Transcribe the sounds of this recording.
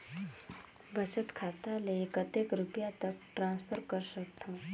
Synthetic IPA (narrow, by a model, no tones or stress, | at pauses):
bət͡ʃət̪kʰat̪aleːkət̪ekɾupjat̪ək̚ʈɾãːnspʰəɾkəɾsəkt̪ʰõː